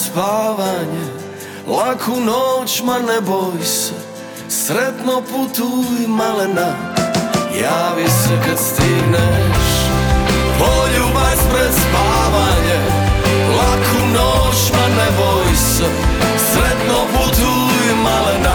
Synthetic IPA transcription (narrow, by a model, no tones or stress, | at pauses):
spaʋaɲɛ | lakʰunot͡ʃmanɛbojsɛ | sɾɛt̪noput̪ujɛmalɛna | jaːʋisɛkat̪st̪iɡnɛʃ | poʎubaspɾɛpaʋaɲɛ | lakʰunot͡ʃmanɛbojsɛ | sɾɛt̪noput̪u | jimalɛna